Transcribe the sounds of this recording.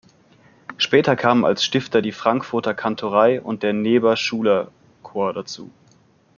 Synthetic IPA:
ʃpɛːtɐkʰaːməna̰lsʃtɪftɐdiːfʁ̥aŋkfʊɐtɐkʰantʰoʁaɪʔʊ̰nt̚d̥eːɐneːbɐʃuːlɐ | kʰoːɐdat͡sṵː

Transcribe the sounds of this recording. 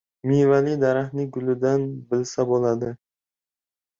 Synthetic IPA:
mijvalid̪aɾahnɪɡʊlɪd̪anbɪlsabolˠad̪ɪ

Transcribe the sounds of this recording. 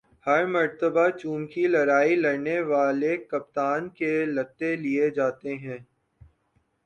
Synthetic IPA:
hɐɾmɐɾt̪əbat͡ʃuːmkilɐɾaːilɐɾneʋaːlekɐp̚t̪aːnkelɐt̪ːelied͡ʒaːt̪eɦɛ̃ː

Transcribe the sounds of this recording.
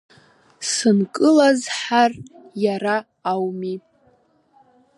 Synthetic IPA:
sɨnkʼɨlazħarjaɾaː | wmi

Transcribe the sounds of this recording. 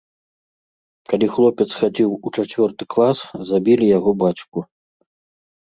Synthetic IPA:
kalʲixlˠɔpʲɛt̪sxad͡zʲiwut͡ʂat͡sʲvʲɔrt̪ɨklˠaszabʲilʲijaɣɔbat͡sʲku

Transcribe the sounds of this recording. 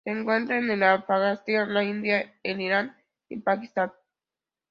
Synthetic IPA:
seːŋkwe̞nt̪ɾaenelafaɣast̪iaonlaind̪jaeniɾan | ḭpakist̪an

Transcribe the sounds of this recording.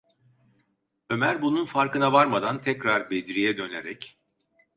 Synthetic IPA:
ø̞mæɾbununfaɾkɯnavaɾmad̪ant̪ʰɛcɾaɾbed̪ɾijɛd̪ø̞neɾɛc

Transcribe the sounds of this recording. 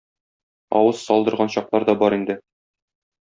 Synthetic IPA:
ɒ̰wɤzsɒlˠd̪ɤ̆ɾʁɑnɕɒqlˠɑɾd̪ɒbɒɾind̪ɘ

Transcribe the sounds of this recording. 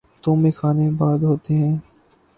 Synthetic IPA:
t̪õːmexʰaːnebaːd̪ɦoːt̪eɦɛ̃ː

